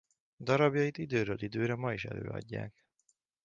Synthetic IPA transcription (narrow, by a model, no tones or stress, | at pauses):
d̪ɒɾɒbjɒit̪id̪øːɾøːlid̪øːɾɛmɒiʃɛ̰lø̰ːɒ̰ɟːa̰ːk